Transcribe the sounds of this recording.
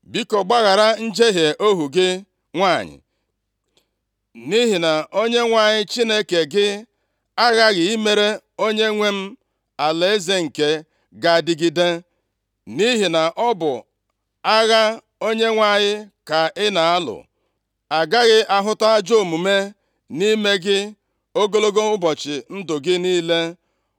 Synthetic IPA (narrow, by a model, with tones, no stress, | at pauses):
bi˦ko˨ɡ͡ba˦ɣa˨ɾa˦n̩˦d͡ʒe˦ɦje˨ʔo˦ɦu˨ɡɪ˦ | ŋʷa˦˨ɲɪ̰˨ | ni˦ɦi˨na˨ʔo˦ɲe˦ŋʷa˨ɲɪ˦t͡ʃi˦ne˦ke˨ɡɪ˦ | a˦ɣa˦ɣɪ˨i˦me˦ɾe˦ | o˦ɲe˦ŋʷe˦m̩˦ | a˨le˨e˦ze˦ŋ̩˨ke˨ | ɡa˨dɪ˦ɡi˦de˦ | ni˦ɦi˨na˨ʔɔ˦bʊ˨ | a˦ɣa˦ | o˦ɲe˦ŋʷa˦˨ɲɪ˦ka˨ɪ˦na˨a˦lʊ̰˨ | a˨ɡa˦ɣɪ˦ʔa˦ɦʊ˦ta˦a˦d͡ʒo˦˨mu˨me˦ | ni˦me˦ɡɪ˦ | o˦ɡo˦lo˦ɡo˦ʊ˦bɔ˨t͡ʃɪ˨n̩˦dʊ˨ɡɪ˦niː˦le˦